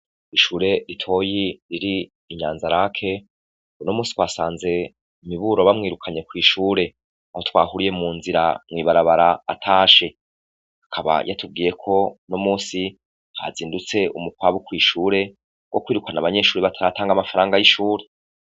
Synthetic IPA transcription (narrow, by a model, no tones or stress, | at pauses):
iʃuːɾe̞ɾitʰo̞jiɾiɾiː | ɲaːnzaɾakʰe̞ | unomuːsi̥twaːsaːnze̞ | imiβuɾoβamŋiːɾukʰaɲe̞kwiːʃuːɾe̞ | aho̞twaːhuɾije̞muːnziɾa̰mwiːβaɾaβaɾaːtʰaːʃe̞ | hakʰaβa̰ja̰tub̚ɡiːje̞kʰo̞no̞muːsi | ha̰ziːndut͡se̞umukwaːβukwiːʃuːɾe̞ | ɡ̥o̞kwiːɾukanaβaɲe̞ʃuːɾeβatʰaɾataːŋɡamafaɾaːŋɡajiʃuːɾe̞